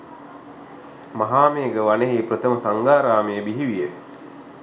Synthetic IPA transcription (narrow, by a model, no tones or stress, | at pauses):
maɦaːmejːɡəʋaneɦejpɾət̪əməsaŋɡaːɾaːmejəbiɦiʋije